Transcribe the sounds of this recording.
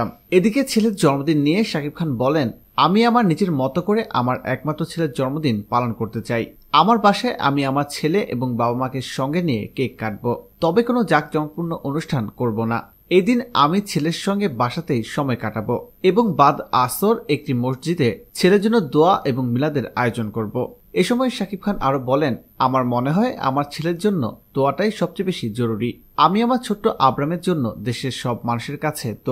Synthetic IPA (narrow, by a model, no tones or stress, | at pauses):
med̪iket͡ɕʰeleɾd͡ʑɔɾmod̪inːijeʃakib̚kʰanbɔlen | amiamaɾnit͡ɕeɾmɔt̪okoɾeʔa̰maɾʔɛk̚mat̪ːɾot͡ɕʰeleɾd͡ʑɔɾmod̪inpalonkoɾt̪et͡ɕaj | amaɾbaʃaeʔa̰miamaɾt͡ɕʰeleʔeboŋbabamakeɾʃɔŋɡenijḛkekːaʈ̚bot̪ɔbekonod͡ʑak̚d͡ʑɔnopuɾnoʔonuʃʈʰankoɾbona̰ | ejd̪ina̰mit͡ɕʰeleɾʃɔŋɡebaʃat̪ejʃɔmɔekaʈaboeboŋbad̪asoɾek̚ʈimoʃd͡ʑid̪et͡ɕʰeleɾd͡ʑonːod̪oaʔeboŋmilad̪eɾa̰eod͡ʑonkoɾbo̰ | eʃɔmɔeʃakib̚kʰanʔaɾobɔlen | amaɾmoneɦɔea̰maɾt͡ɕʰeleɾd͡ʑonːo̰d̪̥oaʈajʃɔb̚t͡ɕejbeʃid͡ʑoɾuɾi | amiamaɾt͡ɕʰoʈːoʔabɾameɾd͡ʑonːo̰d̪eʃeɾʃɔbmanuʃeɾkat͡ɕʰed̪̥o